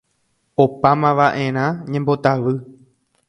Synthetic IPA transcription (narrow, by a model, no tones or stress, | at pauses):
opamãʋaʔẽ̞ɾ̃ãɲẽmbo̞t̪aʋɨ